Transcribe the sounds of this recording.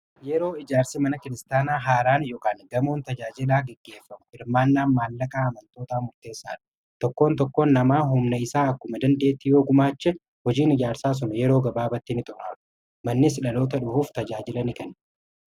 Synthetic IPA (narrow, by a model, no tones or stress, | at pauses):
jɛɾo̞ːɪd͡ʒaːɾsɪmɐnɐkɪɾɪst̪aːnaːɦaːɾaːnjoːkaːnɡɐmo̞ːnt̪ɐd͡ʒaːd͡ʒɪlaːɡɛɡːe̞ːfːɐmʊɪɾmaːnːaːnmaːlːɐkʼaːɐmɐnt̪o̞ːt̪aːmʊɾt̪e̞ːsːaːᶑɐ̥ | t̪ɔkːo̞ːnt̪ɔkːoːnːɐmaːɦʊmnɐɪsaːɐkːʊmɐd̪ɐnd̪e̞ːt̪ːɪjoːɡʊmaːt͡ʃːɛ | hɔd͡ʒiːnɪd͡ʒaːɾsaːs̬ʊnɐjɛɾo̞ːɡɐbaːbɐt̪ːɪnɪt̪ʼʊɾaːᶑʊ̥ | mɐnːɪs̬ɪᶑɐlo̞ːt̪ɐᶑʊhuːft̪ɐd͡ʒaːd͡ʒɪlɐnɪkɐn